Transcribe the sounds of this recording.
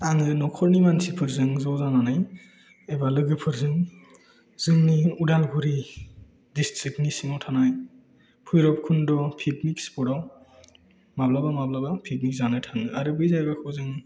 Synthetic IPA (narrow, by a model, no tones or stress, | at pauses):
aŋɯnɔkʰɔɾnimansipʰɯɾzɯŋzɔzananaj | ebalɯɡɯpʰɯɾzɯŋ | z̥ɯŋniudalɡuɾi | distʰɾiknisinɔwtʰanaj | pʰujɾɔp̚kʰundɔpʰikmikspɔɾaw | mablabamablabapʰik̚mik̚zanajtʰaŋɯaɾɯbɯjzajɡakʰɯwzɯŋ